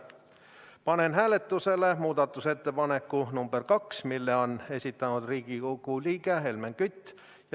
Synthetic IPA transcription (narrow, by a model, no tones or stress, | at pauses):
pɑne̞nɦæːle̞t̪ːˑuse̞le̞muːd̪̥ɑt̪ːˑuse̞t̪ːe̞pɑne̞kːunumb̥erkɑksmilːeo̞ne̞sʲit̪ːˑɑnud̪̥riːɡ̥ikokuliːɡeɦe̞lmeŋkyt̪ː | j